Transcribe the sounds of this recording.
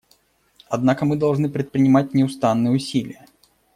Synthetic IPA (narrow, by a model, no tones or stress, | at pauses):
ɐd̪nakəmɨd̪ɐlˠʐnɨpɾʲɪt̪̚pɾʲɪnʲɪmat̚ʲnʲɪʊst̪anːɨjəʊsʲilʲɪ̰jə